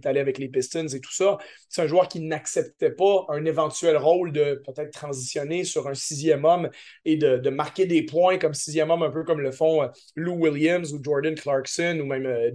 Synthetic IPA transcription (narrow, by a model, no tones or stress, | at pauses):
t̪aleavɛklepɪst̪ənzet̪u̥sa | ɛɛ̃ʒuwœːʁkʲinaksɛpt̪ɛpaœ̃nevɑ̃t̪ɥɛlʁɔʊld̪əpøt̪ɛːt̪̚t̪χɑ̃zisjɔnesyʁœ̃sizjɛmɔmed̪əd̪əmaʁkʲed̪epwɛ̃kɔmsizjɛmɔmɛ̃pøkɔmləfɔ̃ | luwiljɛmzud͡ʒɔʁd̪ə̃nklɑɹksɔnumɛ̃mø